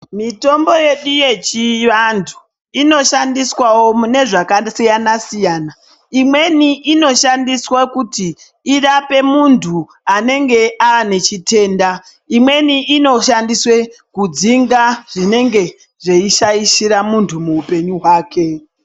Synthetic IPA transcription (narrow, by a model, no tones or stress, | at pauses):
mito̞mbo̞je̞ɗuje̞t͡ʃiʋantʰu̥ | ino̞ʃandiswawo̞mune̞ʐakasijanasijaːna | imwe̞niʔino̞ʃandiswakutiː | rape̞muntʰu | ane̞ŋɡe̞ʔaːne̞t͡ʃite̞ːnda | imwe̞niʔino̞ʃandiswe | kud͡ziŋɡaʐ̥ine̞ŋɡe̞ | ʐe̞iʃaiʃiɾamuntʰumuːpe̞ɲuɦwaːke̞